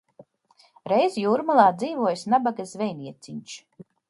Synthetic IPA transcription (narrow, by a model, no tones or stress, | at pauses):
ɾejzjuːɾmalˠaːd̪ziːvuɔjsnabaɡazvʲɛjniɛt̪siɲt͡ʃ